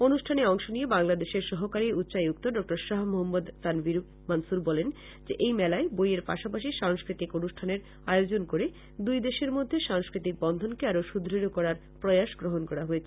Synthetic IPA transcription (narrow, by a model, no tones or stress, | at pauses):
onuʃʈʰaneɔŋʃoniebaŋlad̪eʃeɾʃɔɦokaɾiut̪ːɕajuk̚t̪oɖɔk̚ʈoɾʃaɦmoɦamːod̪sanbiɾ | mansuɾbɔlen | d͡ʑeʔejmɛlaebojeɾpa̰ʃapaʃ̬iʃaŋskɾit̪ikonuʃʈʰaneɾ | ajod͡ʑonkoɾe | d̪ujd̪eʃeɾmod̪ʱːeʃaŋskɾit̪ik̚bɔnd̪ʱonkeaɾoʃud̪ʱɾiɾokɔɾaɾ | pɾɔjaʃɡɾoɦonkɔɾaɦoet͡ɕʰe̥